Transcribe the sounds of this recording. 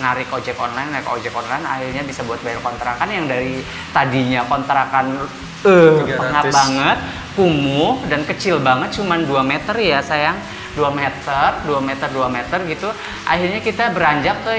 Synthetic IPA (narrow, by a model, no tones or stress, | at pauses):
naɾɪkod͡ʒɛkɔnlajnako̰d͡ʒɛkɔnlajna̰hirɲabisabuat̪̚bajarkɔnt̪ɾakanjaŋdaɾi | t̪adiɲakɔnt̪ɾakan | əppəŋabaŋət̪̚ | kumʊhdankət͡ʃɪlbaŋət̪̚t͡ʃumanduamɛt̪ərjasajaŋ | duamɛt̪ərduamɛt̪ərduamɛt̪ərɡit̪u | ʔa̰hirɲakit̪abəɾaɲd͡ʒak̚ːə